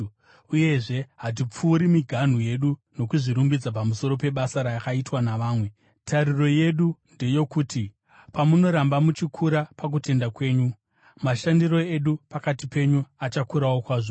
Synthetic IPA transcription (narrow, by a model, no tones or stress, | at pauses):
uje̞ʐe̞ɦat̬ip͡fuːɾimiɡʱan̤uje̞ɗuno̞kuʐiɾumbid͡zapamuso̞ɾo̞pe̞ɓasaɾajakaitwanaʋaːmwe̞ | tʰaɾiro̞je̞ɗunde̞jo̞kuːti | pamuno̞ɾambamut͡ʃikʰuɾapak̬ute̞ndakwe̞ːɲu | maʃandiro̞e̞ɗupakatipe̞ɲuat͡ʃakuɾawokwaːʐo